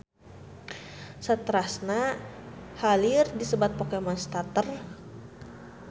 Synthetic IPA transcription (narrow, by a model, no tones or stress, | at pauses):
sət̪əɾasna | halirdisəbat̪̚pɔkɛmanst̪at̪ər